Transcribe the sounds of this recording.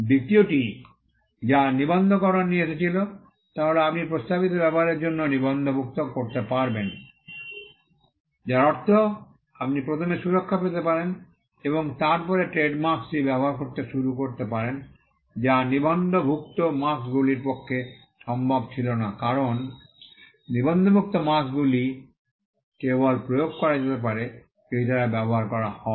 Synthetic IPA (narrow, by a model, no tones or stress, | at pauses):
d̪ʱit̪ioʈi | d͡ʑanibond̪ʱokɔɾonnietet͡ɕʰilo | t̪aɦoleapniɾpɾost̪abit̪̬obɛboɦaɾeɾd͡ʑonːonibond̪ʱobʱuk̚t̪okoɾt̪epaɾben | d͡ʑaɾɔɾt̪ʰo | ap̚nipɾot̪ʰomeʃuɾokʰːapet̪epaɾen | eβoŋt̪aɾpɔɾeʈɾeɖmaksʈibɛboɦaɾkoɾt̪eʃuɾukoɾt̪ep̬aɾen | d͡ʑanibʱond̪ʱobʱuk̚t̪omasɡuliɾpokʰːe | ʃɔmbʱabt͡ɕʰilonakaɾonː | ibʱond̪ʱobʱuk̚t̪omasɡuli | kebolpɾojoɡ̚kɔɾad͡ʑet̪ep̬aɾe | ʃejt̪aɾabɛboɦaɾkɔɾahɔ